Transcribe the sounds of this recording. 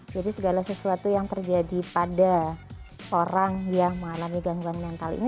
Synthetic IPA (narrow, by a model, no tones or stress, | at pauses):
d͡ʒadisəɡalasəsuat̪ujaŋt̪ərd͡ʒadipada | oɾaŋjaməŋalamiɡaŋɡuanmɛnt̪alḭni